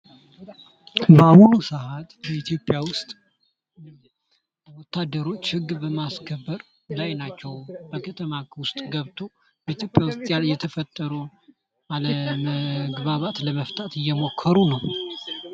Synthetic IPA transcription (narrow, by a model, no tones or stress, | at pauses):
bəahunusəhat̪ʼbəit̪ʰjo̞pʼjawʊst̪ʼ | wɔt̪ʰːad̪ːəɾo̞t͡ʃːhɨɡːbəmaskʰəbːəɾ | lajnat͡ʃːɛwbəkʰət̪ʰəmakwʊst̪ʼɡəβt̪ʰo̞ | bəit̪jo̞pʼːjawʊst̪ʼjaljɛt̪ʰəfət̪ʼːəɾuw | aləməɡβaβat̪ləməft̪ʼat̪ɨjːɛmo̞kʰːəɾunəw